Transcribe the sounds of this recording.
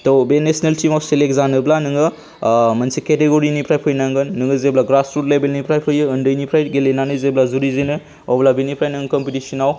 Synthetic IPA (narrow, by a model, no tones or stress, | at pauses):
tobenesneltimawselekzanɯblanɯŋɯ | mɐnsiketeɡoɾinipʰɾajpʰɯjnaŋɡɯnːɯŋɯzeblaɡɾasɾut̚lebelnipʰɾajpʰɯjɯɯndɯjnipʰɾajt̚ɡelenanɯzeblazuɾizenɯ | ɔblabinipʰɾajnɯŋkɔmpitisinaw